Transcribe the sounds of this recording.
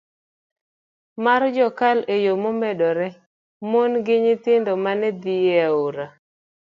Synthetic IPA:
mard͡ʒɔkalejomomɛɗɔɾɛ | monɡɪɲɪt̪ɪndɔmanɛd̪ijeaoɾa

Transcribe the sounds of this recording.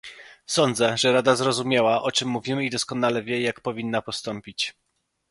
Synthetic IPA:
sɔnd̪zɛʐɛɾad̪azɾɔzumʲjawaʔɔt͡ʂɘmːuvʲimɘid̪ɔskɔnalɛvʲjɛjakpɔvʲinːapɔst̪ɔmpʲit͡ɕ

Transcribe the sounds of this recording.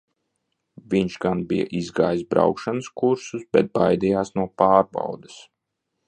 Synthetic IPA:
viɲʃɡanbija̰ʔizɡaːjsbɾa̰wkʃanəskuɾsusbɛ̰t̪̚bajd̪ijaːsnuɔpaːɾba̰wd̪ɨs

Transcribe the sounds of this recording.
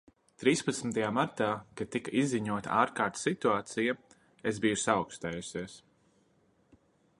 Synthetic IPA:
t̪ɾiːspat̪smit̪ɐjaːmaɾt̪aːkad̪̚t̪ːikaʔizːiɲuɔt̪a̰aːɾkaːɾt̪sit̪uaːt̪sija | ezbijusaɔʊkst̪ɛːjusiɛs

